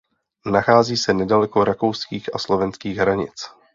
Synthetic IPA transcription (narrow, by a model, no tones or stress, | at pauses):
naxaːziːsɛnɛdalɛko̞ɾakowskiːxaslo̞vɛnskiːɣɦɾaɲɪ̰t͡s